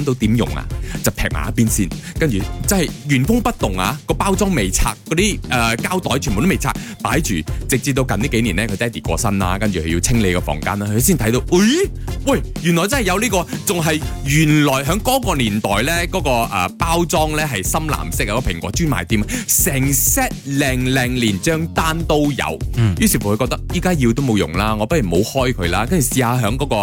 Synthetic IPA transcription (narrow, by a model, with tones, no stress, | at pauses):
ŋt̪o˨˧wt̪iː˨˥mjʊ̰˨˩ŋa̰˧t͡sɐ˨w̚tʰɛː˨˩k̚ma̰ː˨˦˥piː˥nsiː˥nkɐ˥nt͡ʃyː˨˩t͡sɐ˥nhɐ˨jjyː˨˩nfʊ˥ŋpɐ˥t̚t̪ʊ˨ŋa̰ː˧kɔː˧paː˥wt͡sɔː˥ŋme˨jt͡sʰa̰ː˧kːɔ˨˧˥t̪iː˥ʔɛː˨kaː˥wt̪ɔː˨˥jt͡ʃʰy˨˩mo˨t̪o˥me˨˩jt͡sʰaː˧k̚paː˨˥jt͡ʃyː˨t͡sɪ˨k̚t͡siː˧p̚t̪o˧wkɐ˨nt̪iː˥ke˨˥jniː˨˩nɛː˦˥kʰɵ˨˧jt͡sɐ˥˨˩t̪iː˨˩kʷɔ̰ː˧sɐ˥nla̰ː˧kɐ˥nt͡ʃyː˨kʰɵ˨˧jiː˧t͡sʰɪ˥ŋle˨˧jkɔ˧fɔ̰ː˨˩ŋkaː˥naː˧˥kʰɵ˧siː˥nt̪ʰɐ˨˥jt̪o˧wɐ˥j | wɐ˨jjy˨˩nlɔː˨˩jt͡sɐ˥nhɐ˨jɐ˨˧wliː˥kɔː˧t͡sʊ˨ŋɦɐ˨jjyː˨˩nlɔː˨˩jɦœː˨˥ŋkɔː˨˥kɔː˧liː˨˩nt̪ɔː˨jlɛː˥kɔː˨˥kɔː˧ʔɛː˨˩paː˥wt͡sɔː˥ŋlɛː˥ɦɐ˨jsɐ˥mla̰ː˨˩msɪ˥k̚aɐ˧kɔ˧pʰɪ˨˩ŋkʷɔː˨˧˥t͡ʃyː˥nmaː˨jt̪iː˨˥ma˧sɛː˨˩ŋsɛ˥t̚lɛː˨˩ŋlɛ˨˩ŋliː˨˩nt͡ʃœː˥ŋt̪aː˥nt̪o˥wjɐ̰˨˧wjyː˨˥si˨˧˩fu˨˩kʰɵ˧kɔː˧k̚t̪ɐ˥kjiː˥kaː˥jiː˧wt̪o˥wm˨˧wjʊ̰˨˩ŋlaː˥ŋɔ˨˧pɐ˥t̚jyː˨˩mho̰˨˧whɔː˥jkʰɵ˨˧ɥlaː˥kɐ˥nt͡ʃy˨siː˨˧haː˧ɦœː˨˥ŋkɔː˨˥kɔː˧